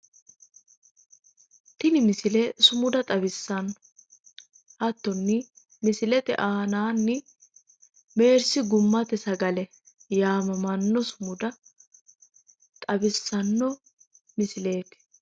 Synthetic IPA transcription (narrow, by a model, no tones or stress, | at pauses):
t̪ɪnɪmɪsɪlɛsʊmʊd̪ɐt̪ʼɐbɪsːɐnːɔ | hɐt̪ːɔnːɪ | mɪsɪlɛt̪ɛ̰ʔaːnaːnːɪ | me̞ːɾsɪɡʊmːɐt̪ɛsɐɡɐlɛ | jaːmɐmɐnːɔsʊmʊd̪ɐ | t̪ʼɐbɪsːɐnːɔ | mɪsɪle̞ːt̪